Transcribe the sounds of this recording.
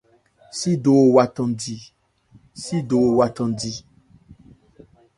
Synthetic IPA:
si˦do˨wa˨tɔ̃˨ndi˨ | si˦do˨wa˨t̪ɔ̃˨di˨

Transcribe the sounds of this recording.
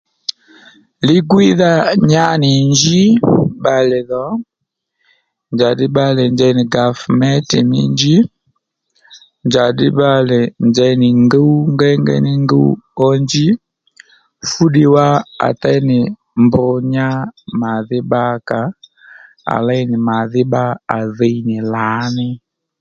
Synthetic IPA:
li˦ɡwi˦ða˦ɲa˦ni˨nd͡ʒi˦ba˨lɛ˨ðɔ˨˦ | nd͡ʒa˨di˦ɓa˦lɛ˨nd͡ʒɛ˦ni˨ɡa˨fmɛ˦ti˨mi˦nd͡ʒi˦ | nd͡ʒa˨di˦ɓa˦lɛ˨nd͡ʒɛ˦i˦nɪ˨ŋɡɛ˦u˦ŋɡɛ˦ŋɡɛ̰˦ni˦ŋɡɛ˦ṵ˦ɔ˦ɲd͡ʒi˦ | fu˦ɗi˦wa˦a̰˨tɛ˦nɪ˨ | mbʊ˨ɲa˦ma˨ðɪ˦ɓa˦ka˨ | a̰˨la˦i˦nɪ˨ma˨ðɪ˦ɓa˦a˨ðɛ˦i˦nɪ˨la˨˦nɪ˦

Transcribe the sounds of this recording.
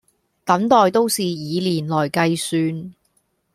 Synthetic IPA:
t̪ɐ˨˥mt̪ɔː˨jt̪o˥wsiː˨jiː˨˧liː˨˩nlɔː˨˩jkɐ˧jsyː˧n

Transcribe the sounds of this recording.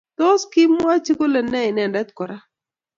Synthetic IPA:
t̪o˦skɪ˦mwa˦t͡ʃi˦ko˦lɛ˨nɛ˦ɪ˨nɛ˨nda˦t̪kɔ˨ɾa˦

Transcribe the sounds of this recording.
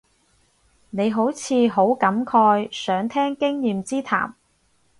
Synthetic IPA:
ne˨˧jɦo˨˥wt͡sʰiː˨˧ɦo˨˥wkɐ˨˥mkʰɔː˧jsœː˨˥ŋt̪ʰɛː˥ŋkɪ˥ŋjiː˨mt͡siː˥t̪ʰa̰ː˨˩m

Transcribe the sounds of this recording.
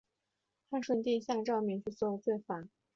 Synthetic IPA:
xa˥˧nʂwə˥˧nt̪i˥˧ɕja˥˧ŋʈ͡ʂɑ˥˧ʊmɛ˧˥˦nt͡ɕʰy˥˧t͡swɔ˥˧t͡swe˥˩ɪfa˨˥˦

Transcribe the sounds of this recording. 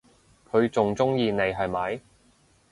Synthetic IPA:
kʰɵ˨˧ɥt͡sʊ˨ŋt͡sʊ˥ŋjiː˧ne˨˧jɦɐ˨jmɐ˨˥j

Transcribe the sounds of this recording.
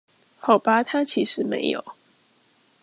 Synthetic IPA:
xɑ˨˩ʊpa˥t̪ʰa˥t͡ɕʰi˧˥ʂɻ̩˨˧˦mḛ˧˥ɪjo̰˨˩˦ʊ

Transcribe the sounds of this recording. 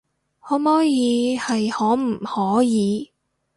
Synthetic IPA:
hɔː˨˥mɔː˥jiː˨˧hɐ˨jhɔː˨˥m̩˨˩hɔː˨˥jiː˨˧

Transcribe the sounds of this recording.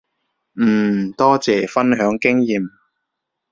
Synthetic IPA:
m̩ː˨˩t̪ɔː˥t͡sɛː˨˩fɐ˥nɦœː˨˥ŋkɪ˥ŋjiː˨m

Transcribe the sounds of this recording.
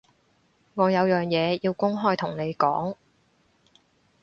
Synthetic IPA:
ŋɔː˨˧jɐ˨˧wjœː˨˩ŋjɛː˨˧jiː˧wkʊ˥ŋɦɔː˥jt̪ʰʊ˨˩ŋne˨˧jkɔ̰ː˨˥ŋ

